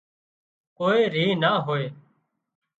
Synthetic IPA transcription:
koːeːɾiːnaːɦoːeː

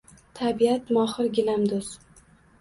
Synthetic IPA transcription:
t̪ʰabiat̪mɒχɨɾɡʲɪlamd̪ʊz̥

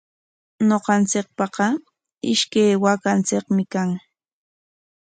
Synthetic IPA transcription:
noqɑnt͡sɪk̚pɑqɑ | ɪ̰ʃkajwakant͡sɪkmɪkaŋ

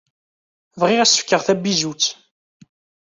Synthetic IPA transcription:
vʁɪʁæsə̥fkːəʁθæbizut͡sː

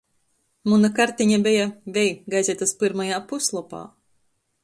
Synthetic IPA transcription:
munakaɾt̪ʲiɲabʲɛjavʲɛjɡajzʲɛt̪aspɨɾmajaːpuslˠɔpa̰ː

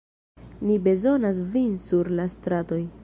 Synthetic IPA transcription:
nibe̞zo̞nas̬vinsuɾlastɾato̞j

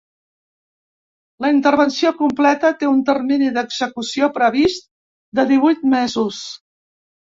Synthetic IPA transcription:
ləint̪ərβənsiokumplɛt̪ət̪eunt̪ərminiðəɡzəkusiopɾəβist̪̚ | d̪əðiβujt̪̚mezus

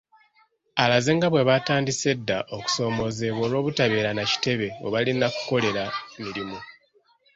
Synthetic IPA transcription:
alazeŋɡaβwe̞βataːndise̞dːaʔo̞ku̥so̞ːmo̞ze̞βo̞ːlwo̞ːβutaβe̞ːɾanaci̥te̞βe̞o̰βalinaku̥ko̞le̞ɾamiɾimu

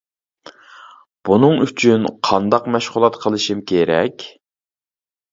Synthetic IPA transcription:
b̥unɨŋyt͡ʃʰynqʰɑnd̪ɑqmɛʃχʊlˠɑt̪qʰəlˠɨʃimkʲʰeɾɛ̰kʲ

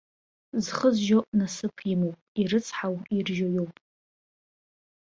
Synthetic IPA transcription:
zχəzʒoʔnasɨpʰimowpʼiɾɨt͡sʰħawirʒojowpʼ

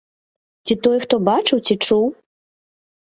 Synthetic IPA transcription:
t͡sʲit̪ɔjxt̪ɔbat͡ʂɨwt͡sʲit͡ʂuw

